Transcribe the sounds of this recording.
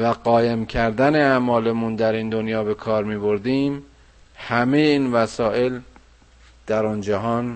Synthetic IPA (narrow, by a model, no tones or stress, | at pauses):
væɢɒːjemcʰæɾd̪æneæmɒːlemund̪æɾiːnd̪onjɒːbe̞kʰɒːɾmiːbo̞ɾd̪iːm | hæme̞jeiːnvæsɒːʔe̞l | d̪̥æɾɒːnd͡ʒæɦɒːn